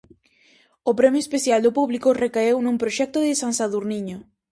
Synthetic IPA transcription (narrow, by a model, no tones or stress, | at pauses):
opɾɛmjoespeθjald̪opuβlikʊrekaewnũŋpɾoʃɛk̚t̪ʊðɪsansaðuɾniɲo